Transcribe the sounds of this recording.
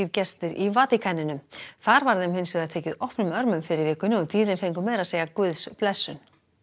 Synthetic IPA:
iɾcɛst̪ɪɾivaːt̪ɪkʰanːɪnʏmθaɾvaɾðɛmɦɪnsvɛːɾat̪ʰeːjcɪðɔwhpnʏmœɾmʏmfɪɾɪɾvɪːkʏnɪɔɣt̪iːɾɪnfejŋkʏmɛːðɾaðseːjakvʏðsplɛsːʏn

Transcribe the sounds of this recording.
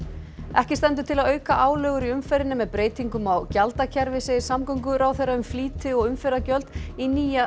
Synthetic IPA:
ɛhcɪst̪ɛnt̪̬ʏ̥t̪ʰɪlaðœːɥkaʔaːwlœːɣʏɾiʏmfɛɾɪnːɪmɛðpɾeːjt̪iŋkʏmawcalt̪acʰɛɾvɪsɪsamkɔwŋkʏɾaːwθejɾːaʏmfliːt̪ɪɔɣʏmfɛɾacœlt̪iniːja

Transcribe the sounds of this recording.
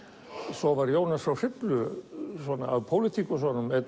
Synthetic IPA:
sɔvaɾjoːwnasawr̥ɪt̪lʏsɔːnaaðpʰoːwlɪt̪ʰiːkʏsɔnʏmɛt

